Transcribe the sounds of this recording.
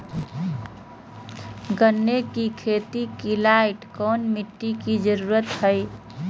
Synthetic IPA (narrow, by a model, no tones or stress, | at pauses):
ɡənːekikʰet̪ikilaɪʈkonmiʈːikid͡ʒəɾuɾət̪həj